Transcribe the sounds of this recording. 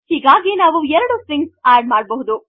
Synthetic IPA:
hiːɡaːɡinaːʋuɛɾɐɽusiŋɡsaːɾɖmaːɽ̚bɐɦud̪u

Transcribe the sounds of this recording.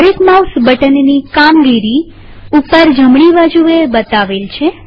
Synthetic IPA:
əɾekmawsbəʈənnikamɡiɾi | upəɾd͡ʒəmɳiʋad͡ʒuebət̪aʋelt͡ʃʰe

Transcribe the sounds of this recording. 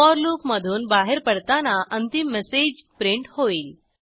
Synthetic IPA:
ɔɾlupməd̪ʱuːnbaɦeɾpəɽt̪anaʔənt̪imːɛsed͡ʑpɾiɳʈhoiːl

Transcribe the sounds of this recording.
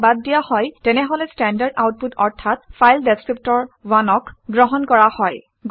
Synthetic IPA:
badːijahɔjtɛnɛɦolɛstɛndaɹda̰wt̚putɔɹtʰatfʰajldeskɹip̚tɔɹwanɔkɡɹɔɦɔnkɔɹahɔj | ɡ

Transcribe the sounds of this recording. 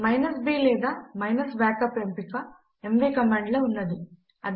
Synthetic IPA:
mɐjnɐsbiːlɛːd̪amɐjnɐsbaːkɐpempikɐ | emʋiːkɐmaːɳɖlɐːunːɐd̪i | ɐd̪

